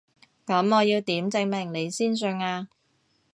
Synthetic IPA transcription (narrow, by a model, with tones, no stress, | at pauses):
kɐ˨˥mɔː˨˧jiː˧wt̪iː˨˥mt͡sɪ˧ŋmɪ˨˩ŋle˨˧jsiː˥ns̬ɵ˧ŋaː˧